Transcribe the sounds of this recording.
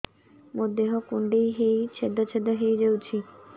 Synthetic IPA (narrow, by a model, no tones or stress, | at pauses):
mod̪eɦɔkuɳɖejɦejt͡ɕʰed̪ʱɔt͡ɕʰed̪ɔɦejd͡ʑewt͡ɕʰi